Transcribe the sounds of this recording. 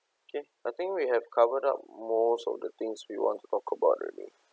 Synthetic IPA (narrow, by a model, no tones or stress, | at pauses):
oke | ajt̪ɪ̃ŋkwiɦɛvkʰavəda̰p̚mosɔ̰vdət̪ɪ̃ŋswiwɔ̰̃ntu̥tɔkʰəbaʊtɹɛ̰lḭ